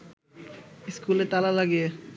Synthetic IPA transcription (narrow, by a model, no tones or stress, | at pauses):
iskulet̪alalaɡie